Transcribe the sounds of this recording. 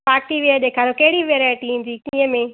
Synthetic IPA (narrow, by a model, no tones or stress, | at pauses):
paːkʈ̪iʋiaɗeːkʰaːɾokɐɦɪɽiʋeɾaːɪʈĩnd͡ʑiːkĩːə̃mẽ